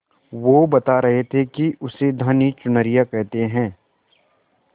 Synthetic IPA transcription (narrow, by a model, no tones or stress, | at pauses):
ʋobɐt̪aɾɐɦet̪ʰekiʊsed̪ʱanit͡ʃʊnəɾijakɛɦt̪eɦɛ̃ː